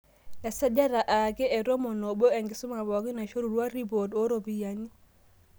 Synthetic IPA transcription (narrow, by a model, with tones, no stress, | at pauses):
ɛ˨sɛ˦d͡ʒa˦ɾa˨ʔa˨ɡɛ˦ɛ˨ɾɔ˦mɔ˨no˨bɔ˦ɛ˨ŋɡɪ˨su˦ma˨bɔ˨ɡi˦na˨ʃo˦ɾu˨ɾwa˦ɾi˦bo˨to˦ɾo˨bi˦ja˨ɲi˦